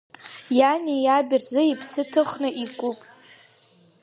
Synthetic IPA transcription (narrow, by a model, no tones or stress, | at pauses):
janʲijabʲɪrzɨipʰsɨtʰɨχnɨʔikʷʼupʼ